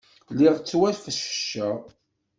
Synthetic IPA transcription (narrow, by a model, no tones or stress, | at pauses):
liʁt͡sːwælfəʃə̥ʃːə